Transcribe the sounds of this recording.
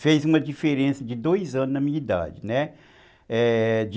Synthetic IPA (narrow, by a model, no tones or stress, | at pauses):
fejzũmɐd͡ʒifeɾẽsɐd͡ʒɪd̪ojzɐ̃nʊznɐmĩɐid̪a̰d͡ʒɪnɛ | ɛd͡ʒ